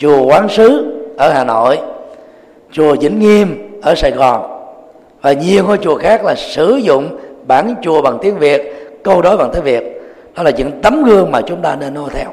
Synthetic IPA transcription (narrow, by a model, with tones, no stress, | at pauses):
t͡ɕu˨˩əkwaː˨˦nsɨ˨˦ʔəː˧˩haː˨˩no̰˧˨j | t͡ɕu˨˩əzḭ˧˩ŋ̟ŋi˧əmʔəː˧˩saː˧˨jɣɔ˨˩n | vaː˨˩ɲi˨˩əwkɔː˧˩t͡ɕu˨˩əxaː˦˥k̚laː˨˩sɨ̰˧˩zʊ̰˧˨ŋ͡mɓaː˧˩nt͡ɕu˨˩əɓa˨˩ŋt̪i˨˦ənvi˨˩ət̚kə˧wɗo˨˦jva˨˩ŋt̪əː˨˦jvi˨˩ət̚ | ɗɔ˨˦laː˨˩ɲɨ̰˧˥ŋt̪ə˨˦mɣɨ˧əŋmaː˨˩t͡ɕʊ˨˦ŋ͡mt̪aː˧ne˧nːo˧t̪ʰɛ˧w